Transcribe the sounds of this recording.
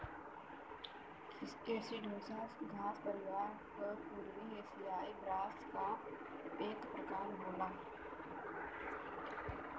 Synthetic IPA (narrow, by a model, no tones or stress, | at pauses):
eːsiɖʱoːsaːsɡʱaːspəɾɪʋaːɾ | kəpuːɾʋieːsijaːibɾaːska | eːkpɾəkaːɾɦoːlaː